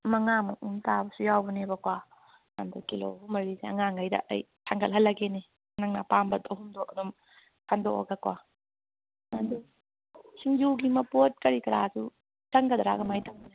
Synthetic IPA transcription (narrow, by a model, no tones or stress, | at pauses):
mɐŋamuʔumtabɐsujawbɐnebɐkwa | ɐ̰ndukilo̰ɦumɐɾiseɐ̰ŋaŋɡɐjdɐ̰ʔɐ̰j | tʰaŋɡɐlɦɐlːɐɡene | nɐŋnapambɐtɐɦumdoʔɐnum | kʰandoɔ̰ɡakwa̰ | ɐndu | siŋjuɡimɐpot̚kɐɾikɐɾasu | tɐŋkɐd̪ɾa̰ɡɐmajtʰɐŋna